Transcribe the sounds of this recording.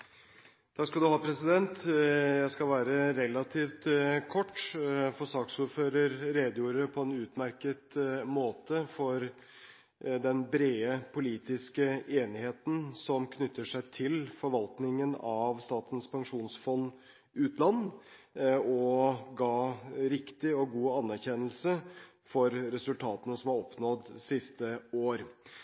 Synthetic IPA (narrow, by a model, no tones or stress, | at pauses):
d̪̥ɑːskɑld̪ʉhɑːpʰɾɛsɪd̪ɛnt̪jæɪskɑlʋæːɾəɾɛlːɑt̪ʰiːft̪kʰɔʈːfɔʂɑːksuːɾføːɾəɾɾeːd̪ɪuːɾəpʰɔɛːnʉːt̪mæɾkət̪moːt̪əfɔɾ | d̪ɛnbɾeːəpʰʊliːt̪ɪskəeːnɪheːt̪n̩sɔmkʰnʏt̪ʰːəʂæɪt̪ʰɪlfɔɾʋɑlt̪nɪŋənɑʋst̪ɑːt̪ənspʰɑŋʂuːnsfɔnː | ʉːt̪ʰlɑnː | ɔɡɑːɾɪkt̪ɪɔɡuːɑnːæɾçɛnəl̩sə | fɔɾɾɛsʉlt̪ʰɑːt̪ənəsɔmhɑɾɔpnɔd̪sɪst̪əoːɾ